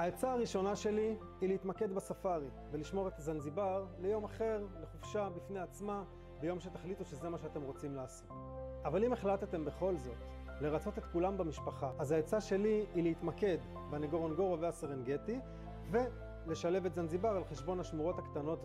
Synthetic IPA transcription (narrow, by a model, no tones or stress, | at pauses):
haet͡saːʁiʃo̞naʃe̞liː | leit̪make̞d̪basafaʁi | veliʃmo̞ʁet̪azanzibaʁle̞jo̞maχe̞ʁle̞χufʃabifne̞at͡sma | bejo̞mʃe̞tḁχlituʃe̞ze̞maʃeat̪e̞mʁo̞t͡simlaːso̞t | avalime̞χlat̪ete̞mbe̞χo̞lzo̞t̪ | le̞ʁat͡so̞t̪e̞t̪kulambamiʃpaχaʔazaet͡saʃe̞liileit̪make̞d̪ | baneɡoʁonɡoʁoveaseʁenɡe̞ti | ve̞ | le̞ʃale̞vet̪zanzibaʁalχe̞ʃbo̞nhaʃmuʁo̞thakt̪ano̞t